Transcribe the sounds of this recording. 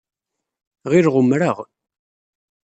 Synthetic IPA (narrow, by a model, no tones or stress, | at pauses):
ʁiɾʁəmɾaʁ